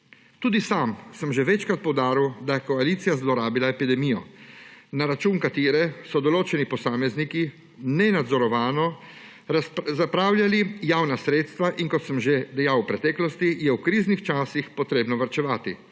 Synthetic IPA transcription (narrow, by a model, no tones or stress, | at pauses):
t̪uːd̪isamsəmʒɛʋɛt͡ʃkɾat̪̚pɔwd̪aːɾiwd̪ajɛkɔalit̪sijazlɔɾaːbilaɛpid̪ɛmiːjɔ | naɾat͡ʃuːnkat̪iːɾɛsɔd̪ɔloːt͡ʃɛnipɔsaːmɛzniki | nɛnad̪zɔɾɔʋaːnɔ | zapɾaːwljalijaːwnasɾeːt̪st̪ʋaʔinkɔt̪səmʒed̪ɛjawpɾɛt̪ɛːklɔst̪ijɛwkɾiːznixt͡ʃaːsixpɔt̪ɾeːbnɔʋaɾt͡ʃɛʋaːt̪i